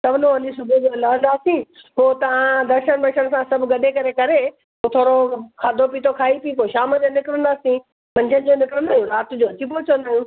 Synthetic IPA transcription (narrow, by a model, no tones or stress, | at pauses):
sɐbʱnõɐnĩsʊbʱed͡ʑolaːə̃nd̪aːsĩːpoːt̪ɐʋ̤ãd̪ɐɾʃənbɐʃəɽ̃ɪ̆sãsɐbʱɡɐɗekɐɾekɐɾe | poːt̪ʰoːɾokʰaːd̪ʱopiːt̪ʰokʰaːipĩkoːiʃaːməd͡ʑoːnɪkɪɾə̃nd̪aːsĩ | mɐ̃ɲd͡ʑʰənɪd͡ʑoːnɪkɾənd̪aːɦũːɾaːt̪ʊd͡ʑoːɐt͡ɕipoːt͡ɕʰəʋə̃nd̪aːɦjũː